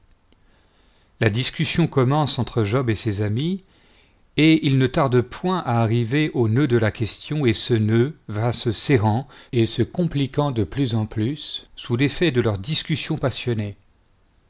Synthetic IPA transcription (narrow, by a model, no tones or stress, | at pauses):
lad̪iskʲysjɔ̃kɔmɑ̃sɑ̃t̪χəʒɔbesezami | eilnət̪aʁd̪pwɛ̃ʔaːʁiveʔonød̪əlakʲɛst̪jɔ̃esənøvasəsɛʁɑ̃esəkɔ̃plikɑ̃d̪əplyzɑ̃plysːulefɛd̪əlœʁd̪iskʲysjɔ̃pasjɔne